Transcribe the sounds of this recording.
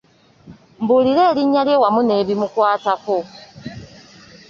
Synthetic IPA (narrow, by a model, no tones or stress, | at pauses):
m̩buliɾeːliɲaljewamuneβimukwaːtako